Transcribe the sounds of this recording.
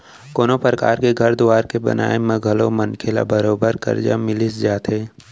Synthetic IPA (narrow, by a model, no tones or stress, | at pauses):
koːnopɾəka̰ːɾkeɡʱɐɾd̪ʊwaːɾkebɐ̰nʔa̰ːemẽɡʱəlomɐnkʰela̰bəɾoːbəɾkɐ̰ɾd͡ʒa̰mɪlɪsd͡ʒaːt̪ɦeː